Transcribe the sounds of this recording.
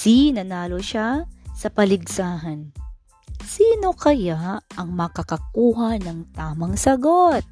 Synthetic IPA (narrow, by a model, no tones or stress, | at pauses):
sinɐnaːlo̞ʃasɐpɐlɪɡsaːɦɐn | siːno̞kɐjaʔɐŋmɐkɐkɐkuːɦɐnɐŋt̪aːmɐŋsɐɡot̪̚